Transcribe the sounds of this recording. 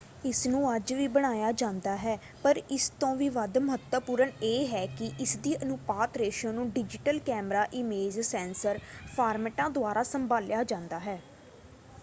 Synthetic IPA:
ɪsnũːəd͡ʒʋiːbəɽ̃aːjaːd͡ʒãːnd̪aːɦɛː | pəɾɪst̪õːʋiːʋəd̪məɦət̪əpuːɾəɳeːɦɛːkɪʔɪsd̪iːʔənʊpaːt̪ɾeːʃə̃ːnũːɖɪd͡ʒɪʈəlkɛːmɾaːʔɪmeːd͡ʒsɛ̃ːnsəɾpʰaːɾmɛːʈãːd̪ʊaːɾaːsəmbʱaːljaːd͡ʒãːnd̪aːɦɛː

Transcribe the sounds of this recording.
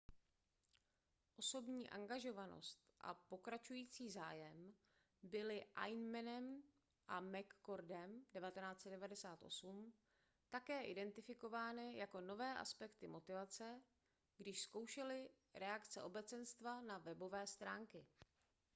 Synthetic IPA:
ʔo̞so̞bɲiːʔa̰ŋɡaʒo̞vano̞̰st̪ʔa̰po̞kɾat͡ʃujiːt͡siːzaːjɛm | bɪlɪʔa̰jnmɛnɛm | ʔamɛkːoɾdɛmdɛvat̪ɛnaːt͡sɛdɛvadɛsaːt̪ʔo̞̰sum | t̪akɛːʔɪdɛnt̪ɪfɪko̞vaːnɪjako̞no̞vɛːʔa̰spɛkt̪ɪmo̞t̪ɪvat͡sɛ | ɡdɪʃsko̞wʃɛlɪ | ɾɛakt͡sɛʔo̞bɛt͡sɛnst̪vanavɛbo̞vɛːst̪ɾaːŋkɪ

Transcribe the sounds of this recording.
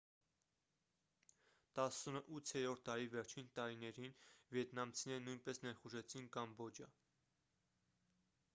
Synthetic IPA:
t̪ɑsunəʔut͡sʰjɛɾɔɾt̪̚ʰt̪ɑɾivɛɾt͡ʃʰint̪ɑɾinɛɾinvjɛt̪nɑmt͡sʰinɛɾənujnpɛsnɛɾχuʒɛt͡sʰinkɑmbɔd͡ʒɑ

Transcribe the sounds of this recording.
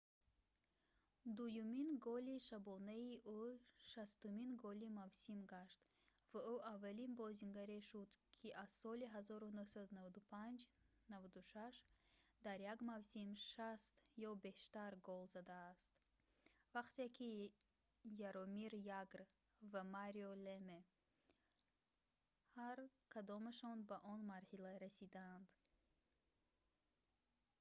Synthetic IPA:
d̪ujuminɡɔliʃabɔnaiʔuʃast̪uminɡɔlimavsimɡaʃt̪ | vauavːalinbɔzinɡaɾeʃud̪kʰiʔazsɔliɦazɔɾunuhsad̪unavad̪upʰand͡ʒ | navad̪uʃaʃd̪aɾjaɡmavsimʃast̪jɔbe̞ʃt̪aɾɡɔlzad̪aːst̪ | vaqt̪ekʰi | jaɾɔmiɾjaɡɾ | vamaɾiole̞me | haɾkʰad̪ɔmaʃɔnbaʔɔnmaɾhilaɾasid̪aːnd̪

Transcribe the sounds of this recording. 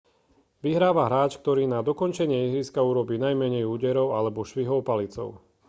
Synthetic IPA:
ʋiɦɾaːʋaɦɾaːt͡ʃk̚t̪ɔɾiːnad̪ɔkɔnt͡ʃɛɲɪɛiɦɾiskauɾɔbiːnajmɛɲɛjuːɟɛɾɔʊalɛbɔʃʋiɦɔʊpalit͡sɔ̰ʊ

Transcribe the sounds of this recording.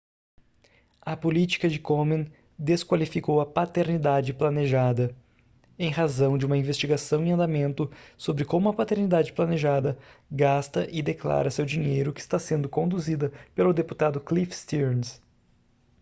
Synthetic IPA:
ɐpolit͡ʃi̥kɐd͡ʒɪkomẽn | d̪eskwalifikowɐpat̪eɾnid̪ad͡ʒɪplɐneʒad̪ɐ | ẽj̃ɦazɐ̃w̃d͡ʒɪũmɐĩvest͡ʃiɡasɐ̃w̃ĩɐ̃nd̪amẽnt̪ʊsobɾɪkõmʊɐpat̪eɾnid̪ad͡ʒɪplɐneʒad̪ɐɡast̪ɐʔɪd̪ekla̰ɾɐsewd͡ʒĩɲejɾʊkɪst̪asẽnd̪ʊkõnd̪uzid̪ɐpelʊd̪epu̥t̪ad̪ʊklifst̪ins

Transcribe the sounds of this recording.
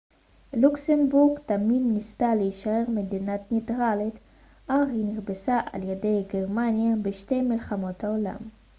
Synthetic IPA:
luksembuʁɡtaminːistaleiʃae̞ʁmedinatnetʁalit̪ | ʔaχiniʁbesaʔa̰ljede̞jɡeʁmanjabeʃte̞jmilχamo̞thaola̰m

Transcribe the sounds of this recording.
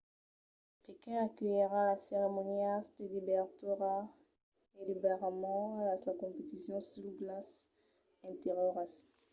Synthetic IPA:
pekɛ̃akœjiʁãlaseʁemɔniasd̪əlibɛʁt̪yʁa | elibeʁamɑ̃lalakɔ̃pet̪isjɔ̃syʁblas | ɛ̃t̪eʁɔʁas

